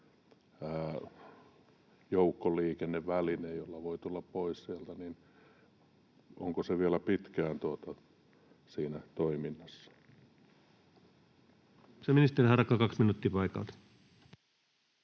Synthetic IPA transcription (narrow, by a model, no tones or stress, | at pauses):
æ | joukːoliːkenːeʋʋælinejjolːɑʋoit̪ulːɑppoissiælt̪ænin | oŋkoseʋiælæpit̪kæːnt̪uot̪ɑ | siːnæt̪oiminːɑsːɑ̥ | seminist̪eihɑrkːɑkɑksminuːt̪ːipɑjkɑ̰lt̪ɑ̥